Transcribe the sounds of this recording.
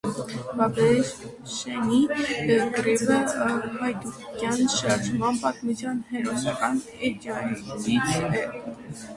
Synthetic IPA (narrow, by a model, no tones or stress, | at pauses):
bɑbɛ | ʃɛnikɾɛbəhɑjt̪ukjɑnʃɑɾʒmɑnpɑt̪mut͡sʰjɑnhɛɾɔsɑkɑn | ɛd͡ʒɑit͡sʰɛ